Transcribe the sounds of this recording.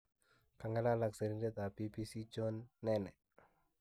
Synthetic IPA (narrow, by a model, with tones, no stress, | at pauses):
ka˨ŋa˦la˦la˦kse˨ɾi˦nde˦t̪a˨pi˦pi˦si˦t͡ʃo˦nːɛnɛ˨